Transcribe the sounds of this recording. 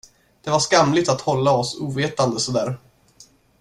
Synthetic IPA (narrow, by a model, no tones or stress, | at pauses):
d̪̥ɛvaʂkamlɪt̪at̪hɔlːaɔsuːveːt̪and̪əsɔd̪æ̰ːɾ